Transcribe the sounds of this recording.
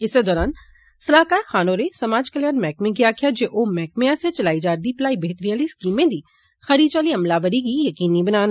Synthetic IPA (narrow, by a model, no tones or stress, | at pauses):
ɪsed̪ɔːɾaːn | sɐlaːkaːɾxaːnoɾesɐmaːd͡ʒkəljaːnmɛːkmẽɡijakʰijad͡ʒeʔomɛːk̚mẽjaset͡ʃɐlaːid͡ʒaːɾd̪iplaːibeɦt̪ɾiaːliskiːmẽd̪ʱiː | xɐɾiːt͡ʃaːliɐmlaːʋəɾikijɐkiːnibɐnaːn